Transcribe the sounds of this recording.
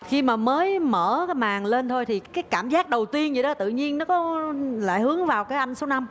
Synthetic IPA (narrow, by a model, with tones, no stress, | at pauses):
xi˧maː˨˩məː˨˦jməː˧˩˨maː˨˩ŋle˧nt̪ʰo˧jt̪ʰi˨˩kaː˨˦jkaː˧˩mzaː˦˥k̚ɗə˨˩wt̪i˧ənzɨ˧˩ɗɔ˨˦t̪ɨ̰˧˨ɲi˧ənːɔ˨˦kɔ˨˦la̰ː˧˨jhɨ˨˦əŋvaː˨˩wkaː˨˦jʔa˧jŋ̟so˨˦wna˧m